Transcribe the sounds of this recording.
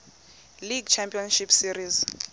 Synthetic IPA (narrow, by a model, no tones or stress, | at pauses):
liɡt͡ʃʰampʼiɔnʃipsiɾiz